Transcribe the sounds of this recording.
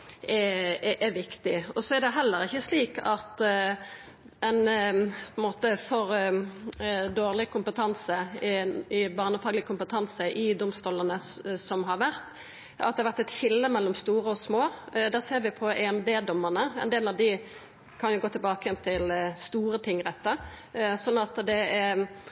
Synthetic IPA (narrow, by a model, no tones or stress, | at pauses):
ɛʔɛʋɪkt̪ɪɔsɔæɾd̪ɛɦɛlːəɾɪçːəsliːkɑt̪ | ɛnpʰɔɛnmoːt̪əfɔʁ | d̪oːʁlɪkʊmpət̪ʰɑnsə | ɪbɑːʁnəfɑːɡlɪəkʰʊmpət̪ʰɑnsəʔɪd̪ʊmst̪uːləʁnəsɔmɦɑʁʋæʁt̪ | ɑ̰t̪d̪ɛhɑʋæʁt̪ɛt̪çɪlːəmɛlːɔmst̪uːɾəɔsmoːd̪æːseːɾʋɪpʰɔʔɛɛmd̪eːd̪ɔmːəʁnəɛ̰nd̪eːlɑʋd̪ɪ | kʰɑnjʊɡoːt̪ʰɪlbɑːkəjɛnt̪ʰɪlst̪uːɾət̪ʰɪŋːɾɛt̪ːə | sɔnːɑt̪d̪ɛæ